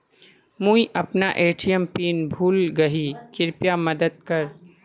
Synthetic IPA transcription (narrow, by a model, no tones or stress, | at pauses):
mũiʔɐpnaʔeːʈʰijəmpiːnbʱuːlɡɐɦikɪɾpjamɐd̪əd̪̚kɐɾ